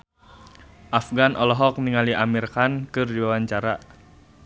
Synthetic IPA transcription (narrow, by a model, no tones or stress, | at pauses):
ʔafɡanʔɔlɔɦɔk̚niŋaliʔamirkankɨrdiwawaɲt͡ʃaɾa